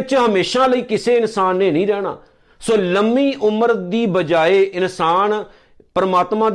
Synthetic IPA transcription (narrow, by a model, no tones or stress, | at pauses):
t͡ʃɦəmeːʃãːləiːkɪseːɪnsaːnːeːnəĩːɾɛːɽa̰ː | soːləmiːʔʊməɾd̪iːbəd͡ʒaːeːʔɪnsaːn | pəɾəmaːt̪mãː